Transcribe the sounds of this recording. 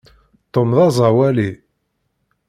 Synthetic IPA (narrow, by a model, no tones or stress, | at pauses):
t̪ˤːomðɑzˤɑwæli